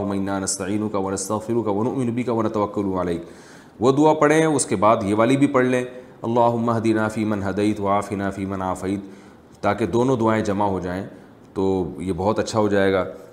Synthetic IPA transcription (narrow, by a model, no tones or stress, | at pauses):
ɦʊmːaɪnːaːnɐst̪ɐʕiːnʊkaʋɐnɐst̪ɐɣfɪɾʊkaʋɐnʊʔmɪnʊbɪkaʋɐnɐt̪ɐʋɐkːʊlaleːk | ʋod̪ʊapɐɽẽʊskebaːd̪jeʋaːlibʱipɐɽlẽː | ɐlːaːɦʊmːaɦd̪inaːfiːmɐnɦɐd̪ɐjt̪wɐaːfinaːfiːmɐnaːfɐːt̪ː | aːked̪oːnõd̪ʊaːẽd͡ʒɐmaɦod͡ʒaːẽ | t̪oːjebɐɦɔt̪ɐtːʃʰaɦod͡ʒaːeːɡaː